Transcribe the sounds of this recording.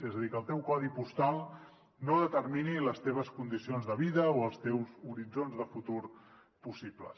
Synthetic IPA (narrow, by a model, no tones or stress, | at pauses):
ezəðikəlˠt̪ɛwkɔðipust̪alˠ | noðət̪əɾminiləst̪eβ̞əskund̪isionzðəβ̞iðəoəlˠst̪ɛwzuɾid͡zonzðəfut̪uɾ | pusiplə̰